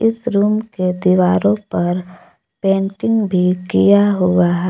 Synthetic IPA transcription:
ɪsɾuːmked̪iʋaːɾõpɐɾ | pẽːɳʈɪ̃ŋɡbʱikijaɦʊaɦɛ

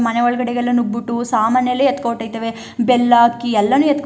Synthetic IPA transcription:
mɐneʋɐɭɐɡɐɽɛɡɛlːɐnubbuʈːusaːmaːnjɐlːeet̪koːʈːɐjt̪ɐʋe | bɛlːaːkːiɛlːɐnuːet̪k

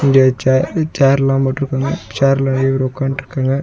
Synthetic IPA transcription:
iŋɡet͡ʃat͡ʃaːɾlãːmɐʈːɯɾɯkːaːŋɡɐt͡ʃaːɾlãːeʋɐɾɔkːaːɳʈːɾɯkːaːŋɡɐ

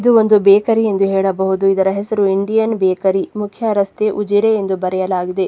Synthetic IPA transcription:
id̪uo̞nd̪ubɛːkɐɾie̞nd̪uɦɛːɭɐbɐɦud̪uid̪ɐɾɐɦesɐɾuiɳɖijɐnbɛːkɐɾimukʰjɐɾɐst̪eʔud͡ʒiɾeend̪ubɐɾɛjɐlaːɡid̪e

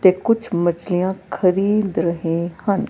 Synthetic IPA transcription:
t̪ekʊt͡ʃʰmɐt͡ʃlijãkʰɐɾiːd̪ɾɐɦẽhɐ̃n

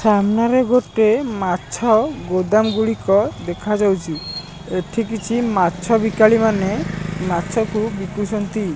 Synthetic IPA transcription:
samnaɾeɡoʈemat͡ʃʰɔɡod̪amɡuɭikɔd̪ekʰad͡ʒawt͡ʃʰi | eʈʰikit͡ʃʰimat͡ʃʰɔbikaɭimanemat͡ʃʰɔkubikusɔnt̪i

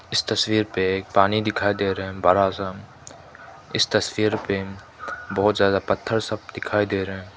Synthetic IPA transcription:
ɪst̪ɐswiːɾpeːk̚paːnid̪ɪkʰaːid̪eːɾəɦɛ̃bɐɾaːsãː | ɪst̪ɐswiːɾpe | bɔɦʊt̪zjaːd̪apɐt̪ʰːəɾsɐb̚d̪ɪkʰaːid̪eːɾəɦɛ̃ː

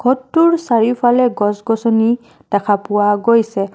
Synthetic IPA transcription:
ɡ̥ʱɔtːuɹsaɹipʰalɛɡɔsɡɔsɔni | takʰapʊwaɡojsɛ

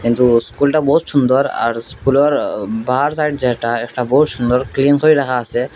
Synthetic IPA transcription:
kint̪uskulʈabɔɦut̪ʃund̪ɔɾa̰ɾskulɔɾbaɾsajʈd͡zɛɦʈaɛkʈabɔɦut̪ʃund̪ɔɾklinkoɾiɾakʰaːse

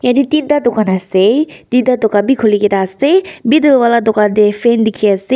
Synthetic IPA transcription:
janit̪id̪at̪ɔkanaset̪id̪at̪ɔkabikʰoliket̪asebid̪əlwalad̪ɔkad̪efend̪ikʰiase

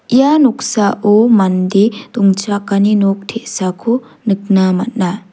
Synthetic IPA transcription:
ijanuk̚saʔomandet̪uŋt͡ʃakaninok̚tʰeʔsakʰu | nɯk̚namat̚na

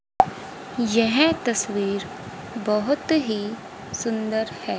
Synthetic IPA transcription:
jɛɦẽt̪ɐswiːɾ | bɐɦʊt̪ɦi | sʊ̃nd̪əɾhɛː

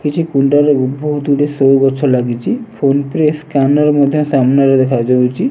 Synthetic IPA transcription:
kit͡ʃʰukuɳʈaɾeut̪̚bʱoɦut̪uɽesowɡɔt͡ʃʰɔɾlaɡit͡ʃʰipʰonpɾeskanɔɾmɔd̪ʱjɔsamnaɾed̪ɛkʰad͡ʒawt͡ʃʰi

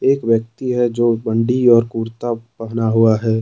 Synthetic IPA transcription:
eːkʋjək̚t̪iɦɛd͡ʒoːbə̃ɳɖiɔːɾkuːɾt̪apɛɦnaɦuaɦɛː

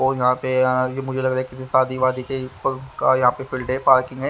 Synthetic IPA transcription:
ojɐɦãpejemʊd͡ʒʱelɐɡɾaːɦɛkɪsisaːd̪ʱiʋaːd̪ikepɐkajɐɦãpefɪlɖepaːɾkɪ̃ŋɡɦɛː

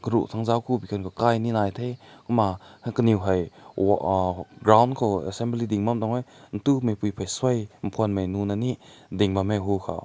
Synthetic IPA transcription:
kəɾṵʔt̪ʰaŋzawkʰubikʰankʰɔkajninajtʰejkumakəniwɦaj | ɡɾawndkʰɔɛ̰sɛmblidiŋmamdɔŋajn̩tumejpujpʰajswajmpʰuanmajnunanidiŋbamaɦukʰa̰

